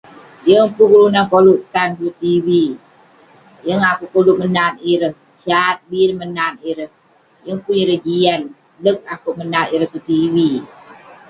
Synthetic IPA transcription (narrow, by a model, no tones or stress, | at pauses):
jəŋpukulunankoluʔt̪ant̪ut̪iwi | jəŋakuʔkoluʔmənaniɾəh | sat̪̚biɾəhmənaniɾəh | jəŋpuniɾəhd͡ʒian | lək̚akuʔmənaniɾəht̪ut̪iwi